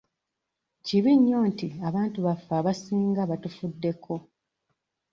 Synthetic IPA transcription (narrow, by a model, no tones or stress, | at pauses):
ciβiɲːo̞ːntiaβaːntuβafːaːβasiːŋɡaβatufudːe̞kʰo̞